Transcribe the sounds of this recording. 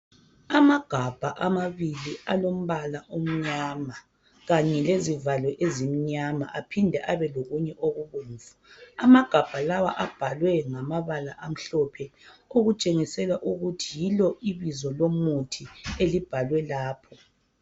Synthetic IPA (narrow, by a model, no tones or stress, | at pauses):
amaɡ̥ʱab̥ʱaʔamaβilialom̩βalaʔom̩ɲama | ɣaɲɛlezivalwɛʔezimiɲama̰ʔapʰindʱɛʔaβɛloɣuɲɛʔoɣuɣuːɱvuamaɡ̥ʱab̥ʱalawaʔab̥ʱalwɛŋamaβalaʔam̩ɬɔpʰɛoɣut͡ʃʼeŋisɛlaʔuɣutʰijilɔʔiβizɔlomutʰielib̥ʱalwɛlaːpʰɔ